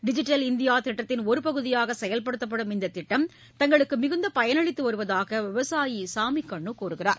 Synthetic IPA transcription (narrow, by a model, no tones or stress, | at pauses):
ɖɪd͡ʒɪʈːɐlɪnd̪ɪjaːt̪ɪʈːɐt̪ːɪnɔɾɯpɐɣɯðɪjaːɣɐsɛjɐlpɐɽɯt̪ːɐp̬ːɐɽɯmɪnd̪ɐt̪ɪʈːɐm | t̪ɐŋɡɐɭɯkːɯmɪɣɯnd̪ɐpɐjɐnɐɭɪt̪ːɯʋɐɾɯʋɐðaːɣɐʋɪʋɐsaːjisaːmikːɐɳːɯkoːɾɯɣɪra̰ːɾ